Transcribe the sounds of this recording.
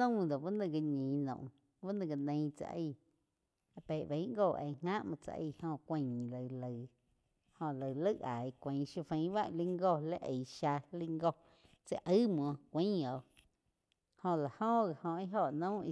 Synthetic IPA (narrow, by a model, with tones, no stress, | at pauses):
õ˦d̪o˨ba˦nə̃˧˨ɡi˧ɲĩː˨nõ̰˨ʔ | ba˦nə̃˧ɡa˧nẽ˧˦t͡sa̰˧ʔə˧˨ | a˧pe˨bə̃˨˦ŋɡoː˦˧˨ʔḛ˧˨ŋŋã˦ʔmɔ̃˧t͡sa̰˧ʔə̰˧˨hõ˧kʷĩ˧˨ĩ˨lə˨lə˨ | hõ˧lə˨lə˦ʔa˨i˧kʷĩ˨˦ʃu˧fẽ˧˦ba˦ʔli˦ŋɡo˧˨le˦ʔə˨ʃa˧li˧ŋɡo˧ | t͡sə˧˨ʔə˦mɔ̃˧kʷĩ˦o˨ | hõ˧la˨hõ˦˧ɣa˨hõ˧i˦ɦo˧˨ʔnõ˦i˧